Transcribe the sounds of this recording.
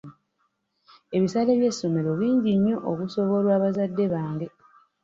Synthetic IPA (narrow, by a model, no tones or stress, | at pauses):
e̞βisaleβje̞sːo̞me̞ɾo̞βiːɲɟiɲːo̞ʔokuso̞βo̞lwaːβazadːe̞βaːŋɡe̞